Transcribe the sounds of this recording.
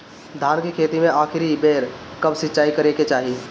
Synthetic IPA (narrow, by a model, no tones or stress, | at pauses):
d̪ʱaːnkikʰeːt̪imẽaːkʰɪɾibeːɾkɐbsɪtːt͡ʃaːikɐɾeket͡ʃaːɦiː